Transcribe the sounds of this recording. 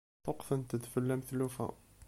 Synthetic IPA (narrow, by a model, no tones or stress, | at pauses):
t̪ˤoqfənt̪əd̪fəlːæməθlufæ̰